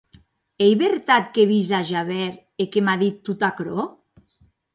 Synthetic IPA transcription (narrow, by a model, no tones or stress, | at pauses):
ejβeɾt̪at̪̚keβizaʒaβɛɾ | ekemaðit̪ːut̪akɾo